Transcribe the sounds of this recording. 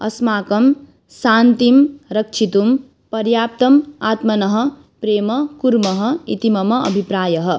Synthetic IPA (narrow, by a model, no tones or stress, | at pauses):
ʌ̰smaːkɐm | saːnt̪imɾɐk̚t͡ʃʰit̪um | pɐɾjaːp̚t̪ɐmaːt̪mɐnʌɦʌ | pɾeːmʌkuɾmʌɦʌit̪imɐmʌɐ̰bʱipɾaːjɐɦʌ